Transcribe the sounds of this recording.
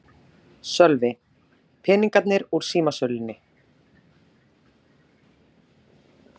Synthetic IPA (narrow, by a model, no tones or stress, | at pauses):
sœlvɪ | pʰɪniŋkat̪nɪɾuɾ̥siːmasœlɪnːɪ